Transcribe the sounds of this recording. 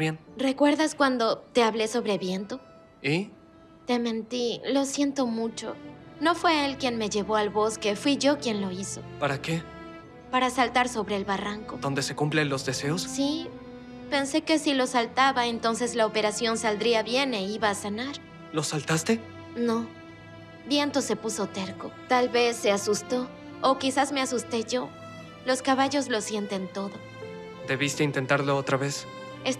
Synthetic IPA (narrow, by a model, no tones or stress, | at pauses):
jenre̞kwe̞ɾðaskwand̪o̞t̪e̞aβle̞so̞βɾeβje̞nt̪o̞ | i | t̪e̞mẽ̞nt̪ilo̞sje̞nt̪o̞mut͡ʃo̞̰ | no̞fwe̞elkje̞nme̞ʝe̞βo̞alβo̞ske̞fwiʝo̞kje̞nlo̞iso̞̰paɾake̞ | paɾasalt̪aɾso̞βɾe̞ːlβaraŋko̞d̪o̞nd̪e̞se̞kumplenlo̞zd̪e̞seossi | pe̞nse̞ke̞silo̞salt̪aβae̞nt̪o̞nse̞zlaope̞ɾasjo̞nsald̪ɾiaβje̞ne̞iβaːsanaɾ | losalt̪ast̪e̞ | no̞ | bje̞nt̪o̞se̞puso̞t̪eɾko̞t̪alβe̞sːe̞asust̪o̞ː | kisazme̞asust̪e̞ʝo̞ | lo̞skaβaʝo̞zlo̞sje̞nt̪e̞nt̪o̞ðo̞ | d̪e̞βist̪eint̪e̞nt̪aɾloot̪ɾaβe̞s | es